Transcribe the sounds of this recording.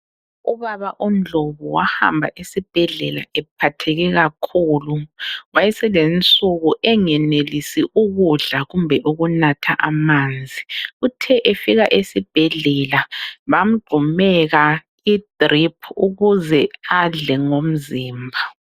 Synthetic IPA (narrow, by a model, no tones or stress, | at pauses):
uβaβaʔum̩d͡ɮʱoβuwaha̰mbʱaʔesib̥ʱɛɮɛlaɛp̚ʰatʰɛɣɛɣakʰuːluwajɛsɛlent͡sʼuɣuʔɛŋɛnelisiʔuɣuɮaɣumbʱɛʔuɣunatʰa̰ʔamaːnd͡zʱiutʰɛʔefiɣaʔesib̥ʱɛɮɛlaβam̩ɡ͡ǃʱumɛɣa | id̥ripʰuɣuzɛaɮɛŋom̩ziːmbʱa